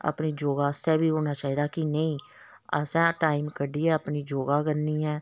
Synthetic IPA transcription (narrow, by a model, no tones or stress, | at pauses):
ə̰pniːd͡ʒoːɡaːəst̪ɛːbiːɦoːnaːt͡ʃaːɦiːd̪aːkɪnəĩː | ə̰sɛ̃ːʈaːiːmkəɖiːɛːəpniːd͡ʒoːɡaːkənːiːɛː